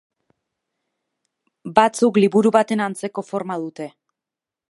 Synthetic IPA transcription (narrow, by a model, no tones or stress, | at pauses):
bat͡sukliβuɾuβat̪e̞nant͡se̞ko̞fo̞ɾmað̞ut̪e̞